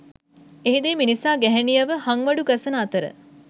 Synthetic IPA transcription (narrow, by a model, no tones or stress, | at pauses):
eɦid̪eːminisaːɡɛɦɛnijəʋəhaŋʋɐɖuɡɐsənəːt̪əɾə̰